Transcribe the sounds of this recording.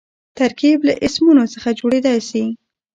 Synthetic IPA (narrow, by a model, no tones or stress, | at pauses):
t̪aɾkiblaʔɪsmunosəxad͡ʒoɽed̪ajsi